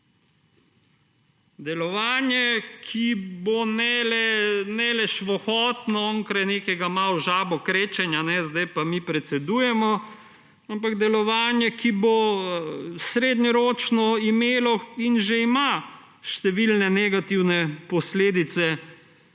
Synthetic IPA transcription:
d̪ɛlɔʋaːnjɛkʰibonɛlɛnɛlɛʃʋɔxɔːt̪nɔɔŋkɾajneːkɛɡamawʒaːbɔkɾeːt͡ʃɛnjanɛzd̪ajpamipɾɛt̪sɛd̪ujɛmɔ | ampaɡd̪ɛlɔʋaːnjɛkʰibo | sɾeːd̪ɲɔɾoːt͡ʃnɔimeːlɔinʒɛima | ʃt̪ɛʋilnɛnɛɡat̪iwnɛpɔsleːd̪it̪sɛ

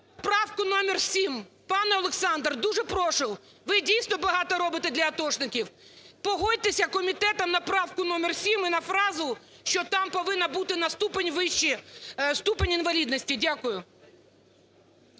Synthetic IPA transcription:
pɾɑwkʊnɔmʲɪrsʲimpɑnɛɔlˠeksɑnd̪rd̪uʒɛpɾɔʃɪwˠ | ʋɪdʲijsnɔbɐɦɑt̪ɔɾɔbɪt̪ed̪lʲɐːt̪ɔʃnɪkʲiw | pɔɦɔd̚ʲt̪esʲɐkɔmʲit̪ɛt̪ɐmnɐpɾɑwkʊnɔmʲɪrsʲiminɐfɾɑzʊ | ʃt͡ʃɔt̪ɑmpɔʋɪnːɐbut̪ɪnɐst̪upenʲʋɪʃt͡ʃist̪upenʲinʋɐlʲid̪nɔsʲtʲidʲakʊjʊ

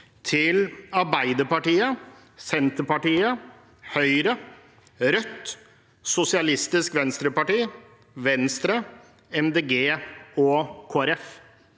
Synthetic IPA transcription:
t̪ʰɪlɑɾbæɪd̪əɾpɑʈiːə | sɛnt̪əɾpɑʈiːə | hœʏɾə | ɾœt̪ː | sʊsɪɑlɪst̪ɪskʋɛnst̪ɾəpɑʈiː | ʋɛnst̪ɾə | ɛmd̪eːɡeːɔkʰoːæɾɛf

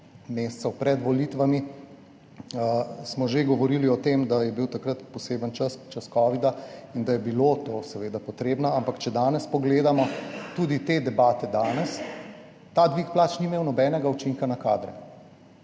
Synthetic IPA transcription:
meːst̪sɛwpɾɛd̪ʋɔlit̪ʋami | əsmɔʒeɡɔʋɔɾiːliɔt̪emd̪ajɛbiwt̪akɾət̪pɔseːbənt͡ʃəst͡ʃɐskɔːʋid̪aind̪ajɛbilot̪oːsɛʋeːd̪apɔt̪ɾeːbnɔampakt͡ʃɛd̪aːnɛspɔɡleːd̪amɔt̪ud̪it̪ed̪ɛbaːt̪ɛd̪aːnɛs | t̪aːd̪ʋiːkplaːt͡ʃnimeːwnɔbɛːnɛɡaut͡ʃiŋkanakaːd̪ɾɛ̰

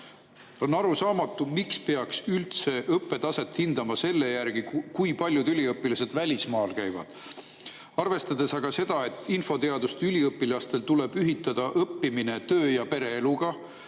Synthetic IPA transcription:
o̞nːɑɾusɑːmɑt̪ːˑumikspe̞ɑksylt̪se̞ʔɤpːe̞t̪ɑse̞t̪hind̪ɑmɑse̞lːe̞jærɡ̥ikujpɑlʲjud̪ylʲiɤpːˑilɑse̞d̪vælʲismɑːlkæjvɑ̰d̪̥ | ɑrve̞st̪ɑd̪̥e̞sɑɡ̥ɑse̞d̪̥ɑe̞t̪ːˑinfo̞t̪e̞ɑd̪̥ust̪ylʲiɤpːˑilɑst̪e̞lt̪ule̞b̥yɦit̪ːˑɑd̪̥ɑʔɤpːimine̞t̪ø̞ːjɑpe̞ɾe̞eluɡ̥ɑ

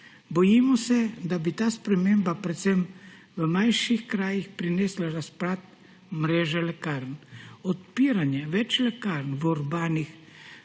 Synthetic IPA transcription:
bɔjimɔsɛd̪abit̪aːspɾɛmeːmbapɾɛt̪sɛm | ʋəmajʃixkɾaːjixpɾineːslaɾaspɾaːt̪̚ | mɾeːʒɛlɛkaɾnɔt̪̚piːɾanjɛʋɛt͡ʃlɛkaɾnʋuɾbaːnix

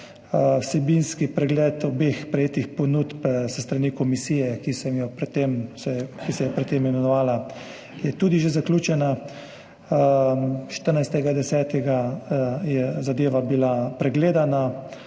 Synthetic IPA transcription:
wsɛbinskipɾɛɡlɛt̪obexpɾɛjeːt̪ixponut̪bsəst̪ɾanikomisiːjɛkisɛmjɔpɾɛt̪ːemsɛkisɛjɛpɾɛt̪ːemmɛmɛnɔʋaːla | jɛt̪uːd̪iʒezakluːt͡ʃɛna | ʃt̪əɾnajst̪ɛɡad̪ɛsɛːt̪ɛɡajɛzad̪eːʋabilapɾɛɡleːd̪ana

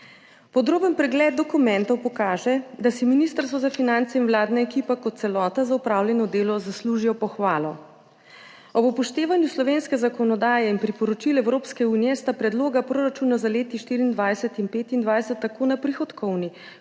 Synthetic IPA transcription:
pɔd̪ɾoːbənpɾɛɡlɛd̪̚d̪ɔkumɛ̃nt̪ɔwpɔkaːʒɛd̪asiminist̪əɾst̪ʋɔzafinant̪sɛinwlaːd̪naɛkiːpɛkɔt̪̚sɛlɔːt̪azaupɾawljɛnɔd̪eːlɔzasluːʒijɔpɔxʋaːlɔ | ɔbupɔʃt̪eːʋanjuslɔʋeːnskɛzakɔnɔd̪aːjɛinpɾipɔɾɔt͡ʃilɛwɾoːpskɛuːnijɛst̪apɾɛd̪loːɡapɾoːɾat͡ʃuːnazaleːt̪iʃt̪iːɾiːnd̪ʋajsɛt̪inpeːt̪ind̪ʋajsɛt̪ːakoːnapɾixɔt̪kʰɔwni

